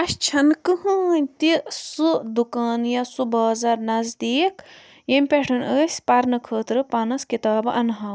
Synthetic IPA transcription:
ɐʃt͡ʃʰɐnkɨɦɐːnʲt̪isɨd̪ukaːnjɐsubaːzɐɾnɐzd̪iːk | jɐmʲpʲeʈʰɨnəːsʲpɐɾnɨkʰəːt̪ɾɨpɐnɐskit̪aːbɨɐnɦɐ

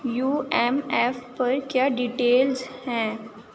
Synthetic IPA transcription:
juːɛmɛfpɐɾkjaːɖiːʈeːlzhɛ̃ː

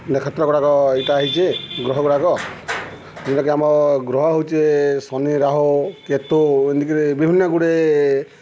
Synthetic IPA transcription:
nekʰɔt̪ɾɔkɔɽakɔiʈaːɦit͡ʃʰeɡɾɔɦɔkɔɽakɔ | iniɾakeamɔɡɾɔɦɔɦowt͡ʃʰesɔniɾaɦɔket̪oend̪ikiɾebibʱinjɔɡuɽe

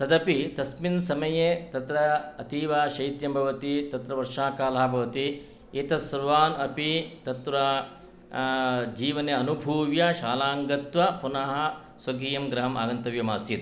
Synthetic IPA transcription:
t̪ɐd̪ɐpit̪ɐsminsɐmɐjeːt̪ɐt̪ɾɐːt̪iːʋaːʃɐjt̪jɐmbʱɐʋɐt̪it̪ɐt̪ɾɐʋɐɾʂaːkaːlɐɦɐbʱɐʋɐt̪i | eːt̪ɐsɐɾʋaːnɐpit̪ɐt̪ɾɐ | d͡ʒiːʋɐneɐnubʱuːʋjɐʃaːlaːŋɡɐt̪ʋɐpunɐɦɐ | swɐɡiːjɐmɡɾɐɦɐma̰ːɡɐnt̪ɐʋjɐmaːsit̪

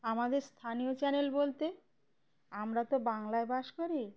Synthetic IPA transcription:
amad̪eɾst̪ʰanijot͡ɕɛnelbolt̪e | amɾat̪obaŋlaebaʃkoɾi

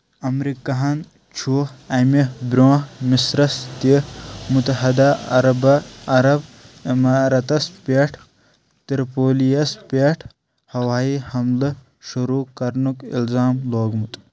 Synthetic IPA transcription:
ɐmɾikɐɦɐn | t͡ʃʰuhɐmibɾõːmisɾɐst̪imut̪ɐɦɐd̪aːɐɾɐbɐɾɐbimaːɾɐt̪ɐspeːʈʰ | t̪iɾpoːlijɐspeʈʰ | hɐwaːiːhɐmlɨ | ʃuɾuːkɐɾnukḭlzaːmloːɡmut̪ʼ

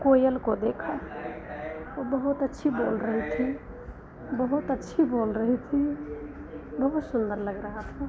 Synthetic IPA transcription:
kojəlkod̪ekʰə | obəɦut̪ətːʃʰibolɾəɦt̪ʰi | bəɦut̪ətːʃʰibolɾəɦt̪ʰi | bəɦut̪sund̪əɾləɡɾəɦət̪ʰɛ̃

